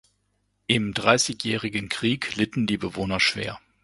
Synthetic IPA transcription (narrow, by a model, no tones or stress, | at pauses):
ʔɪmdʁaɪsɪçjɛːʁɪɡənkʁ̥iːklɪtn̩diːbəvoːnɐʃv̥eːɐ